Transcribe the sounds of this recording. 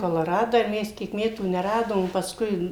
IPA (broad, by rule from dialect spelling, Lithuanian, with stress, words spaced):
koːlˠoːˈrɑːdɑː ɪr ˈmʲɛs ˈkʲiɛk ˈmʲæːtuː nʲɛˈrɑːdoːm pɐˈskʊɪ